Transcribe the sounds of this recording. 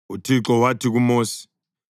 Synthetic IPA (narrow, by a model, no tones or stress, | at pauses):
utʰiǁɔwatʰik̬umoːsi̥